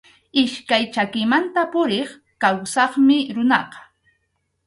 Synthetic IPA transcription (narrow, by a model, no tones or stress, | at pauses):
ɪʃkajt͡ʃakɪmant̪apʊɾeχ | kawsɑχmɪɾʊnɑqɑ̥